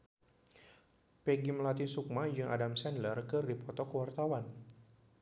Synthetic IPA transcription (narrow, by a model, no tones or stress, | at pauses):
pɛɡimlat̪isuk̚mad͡ʒɨŋʔadamsɛnlərkɨrdipɔt̪ɔkəwart̪awan